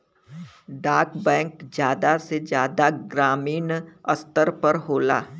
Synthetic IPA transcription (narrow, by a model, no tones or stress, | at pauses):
ɖaːɾkbɛ̃ːŋkd͡ʒjaːd̪ased͡ʒjaːd̪aɡɾaːmiːnɐst̪əɾpɐɾɦoːla̰ː